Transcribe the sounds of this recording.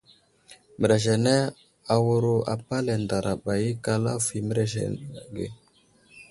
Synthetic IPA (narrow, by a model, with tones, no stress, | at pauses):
mə˨ɾe˨ʒe˨ne˦ | a˨wu˦ɾo˦a̰˨pa˦le˨nda˨ɾʔa˨ɓa˨ji˦ka˦la˦fi˨mə˦ɾe˦ʒḛ˨ɡḛ˨